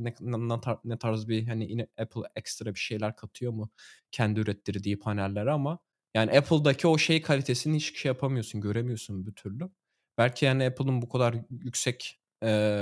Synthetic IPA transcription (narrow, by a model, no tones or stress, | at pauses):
nɛnat̪ʰanɛt̪ʰaɾzbiɦaniʔinɛpʰlˠɛkst̪ɾabiʃe̞jlʲæɾkʰat̪ʰɯjo̞mucʰɛnd̪iyɾɛt̪ʰlːʲiɾd̪iːpʰanælʲːeɾiama | jaːniɛpʰlˠd̪acʰio̞ʃe̞jkʰalʲit̪ʰesininhit͡ʃbi̥ʃejapʰamɯjosunɟø̞ɾemijo̞sunbyt̪ʰyɾlʲy | b̥ælʲcʰihaːniɛpʰlˠɯnbukʰad̪aɾjycsɛc | ɛː